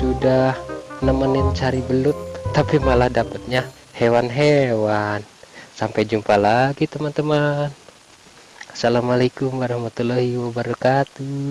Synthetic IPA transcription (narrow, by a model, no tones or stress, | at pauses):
sudahnəmanɪnt͡ʃaɾibəlʊt̪ːapimalahdapət̪̚ɲa | hewanɦewansampajd͡ʒumpalaɡit̪əmant̪əman | asalamalakumwaɾahmat̪ulahiwabaɾakat̪u